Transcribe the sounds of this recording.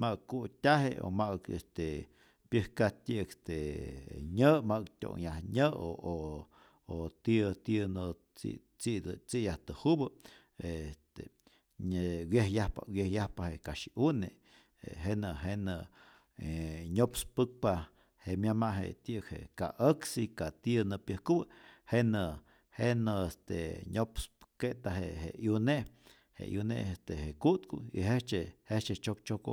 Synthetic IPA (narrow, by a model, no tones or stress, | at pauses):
makuʔt̪ʲaɦḛo̰makḛst̪e | pjɨhkat̪ʲiʔkt̪e | ɲəmakt̪ʲo̰ŋjahɲəoo | ot̪it̪ino | t͡sḭ | t͡sid̪t͡siʔjaht̪əhubə | est̪ḛ | ɲewjehjahpa̰wjehjahpaheʔkaʃiʔune | ḛɦenɨɦeʔnɨ | ɲopspɨk̚pa | hemjamaɦḛt̪ʲiʔɨkhḛkaʔəksikat̪iɨnɨpjəhkɨbəhenɨ | heʔnɨest̪ḛɲopspket̪aɦehḛjuneʔ | hḛʔjunḛest̪ehekut̪kṵḭɦet͡ʃehet͡ʃet͡ʃokt͡ʃoko̰